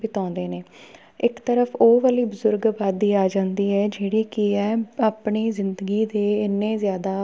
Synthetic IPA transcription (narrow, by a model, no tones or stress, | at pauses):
bɪt̪ãːnd̪eːneː | ɪkt̪əɾəpʰoːʋaːliːbəzʊɾɡbaːd̪ːiːaːd͡ʒãːnd̪iːɛːd͡ʒeːɽiːkɪɛ̃ːaːpɳiːzɪnd̪əɡiːd̪eːɪnːẽːzjaːd̪aː